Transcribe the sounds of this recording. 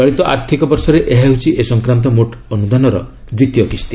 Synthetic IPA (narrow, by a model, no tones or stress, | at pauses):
ɔɭit̪ɔʔa̰ɾt̪ʰikɔbɔɾsɔɾeʔeɦaɦut͡ʃʰiʔesɔŋkɾamt̪ɔmoʈɔnud̪anɔɾɔ̰ | d̪ɾit̪jɔkʰist̪i